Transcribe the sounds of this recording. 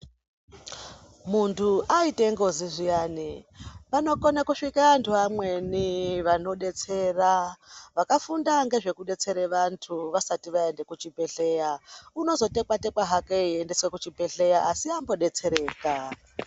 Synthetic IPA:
muntʰuaiteŋɡo̞ziʐijaːnipano̞ko̞nakuʂikaantʰuamwe̞niʋano̞ɗe̞t͡se̞ːraʋakafundaŋɡe̞ʐe̞kuɗe̞t͡se̞ɾeʋantʰuʋasatiʋae̞nde̞kut͡ʃipe̞ɬe̞jauno̞zo̞te̞kwatekwaɦakeiende̞swekut͡ʃibʱe̞ɬe̞jaʔasiambo̞ɗe̞t͡se̞ɾe̞ːka

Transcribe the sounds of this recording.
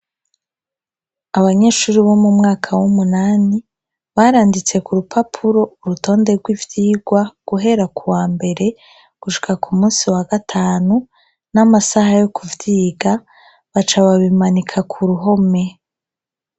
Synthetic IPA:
aβaɲe̞ːʃuːɾiβo̞mumŋaːkʰawumunaːni | βaɾaːndit͡se̞kuɾupʰapʰuɾo̞uɾuto̞ːnde̞ɾɡwivjiːɡwaɡ̥uɦe̞ɾakʰuwaːmbe̞ɾe̞ | ɡ̥uʃi̥kakʰumũːnsiwaɡatʰaːnu | namasahajo̞kuvjiːɡa | βat͡ʃaβaβimanikʰakʰuɾuɦo̞me̞

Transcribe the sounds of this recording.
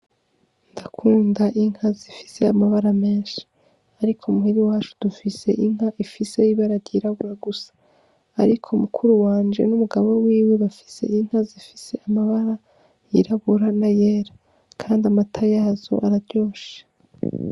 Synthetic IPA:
ndakʰuːndaʔiŋ̥hazifi̥se̞amaβaɾame̞ːnʃi̥ | aɾikʰomuhiɾiwaːt͡ʃu̥d̥ufise̞̰ʔiŋ̥haʔifise̞iβaɾaɾjiɾaβuɾaɡusḁː | ɾikʰomukʰuɾuwaːnd͡ʒe̞̰numuɡaβo̞wiːweβafi̥se̞̰iŋ̥hazifi̥se̞amaβaɾa | jiɾaβuɾanaje̞ːɾa | kʰaːndiamatʰajaːzo̰ʔaɾaɾjo̞ːʃe̥

